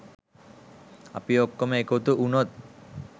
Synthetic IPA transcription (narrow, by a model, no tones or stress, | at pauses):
apiokːomekot̪uʔunot̪̚